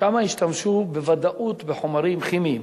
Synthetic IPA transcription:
amaiʃt̪amʃubevad̪aʔut̪beħomaɾimχimim

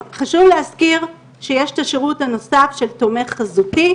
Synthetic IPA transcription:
χaʃuvlehaskiʁ | ʃejeʃtaʃeʁuthano̞safʃe̞lto̞me̞χːazuti

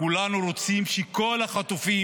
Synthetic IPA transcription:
kulanuɾo̞t͡simʃeko̞laχat̪ufi

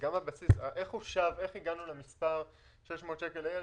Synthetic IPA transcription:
ɡamabasisaʔe̞χhuʃave̞χiɡanulemispaʁ | ʃeʃmotʃekelaje

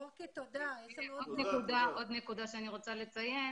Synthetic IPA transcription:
okt̪od̪aod̪neud̪aʔod̪nekud̪aʃeaniʁo̞t͡sale̞t͡sajen

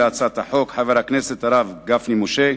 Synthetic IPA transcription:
at͡sat̪aħo̞kħaveɾakneset̪aɾavɡafnimoʃe

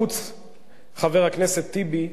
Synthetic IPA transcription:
ut͡s | χave̞ʁakneset̪ːibi

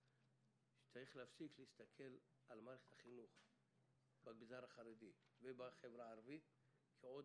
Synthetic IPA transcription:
ʃe̥t͡saʁiχleafsikleist̪akʰe̞l | ʔalmaɾeχe̥t̪aχinuχ | baɡzaɾaχaɾed̪ivebaχevɾaːɾvit̪̚ | kʰeod

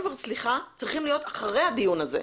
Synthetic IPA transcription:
veʁsliχat͡sʁiχimlijo̞taχaʁe̞jhad̪ijunazḛ

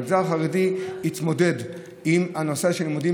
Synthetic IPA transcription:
ɡzalχaʁediit̪mo̞de̞d̪ | imanoseaʃenimod̪i

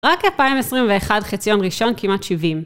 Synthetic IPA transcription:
ʁakalpaimesʁimveeχadχit͡sjo̞nʁiʃo̞nkimatʃivim

